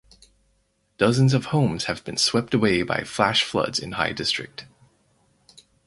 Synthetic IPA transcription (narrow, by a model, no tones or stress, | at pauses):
d̥ʌzɨ̃n̩zʌv̥hõʊ̃mz̥ɨvbɨ̃nswɛp̚tɨweɪba̰ɪflæʃflʌ̰dz̥ɨ̰̃nha̰ɪdɪstɹ̥ɨ̰k̚t